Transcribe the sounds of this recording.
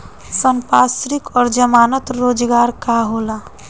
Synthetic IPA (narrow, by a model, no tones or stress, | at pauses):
sənpasɾikɔːɾd͡ʒəmaːnət̪ɾoːd͡ʒɡaːɾkaɦola